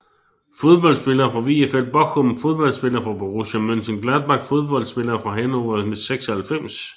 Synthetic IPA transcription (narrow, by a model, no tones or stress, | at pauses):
fo̝ð̞ˠb̥ɒ̽ld̥sb̥e̝lɐːfʁɑ̈ʋiefelb̥ɒ̽ɡʰɔmfo̝ðˠb̥ɒ̽l̰sb̥e̝lɐːfʁɑ̈b̥oʁoɕæmønsənɡ̥læðˠb̥ɑ̈ɡ̥fo̝ð̞ˠb̥ɒ̽l̰d̥sb̥e̝lɐːfʁɑ̈ɦenɒɐðˠmeseɡ̥sɐhælfem̰s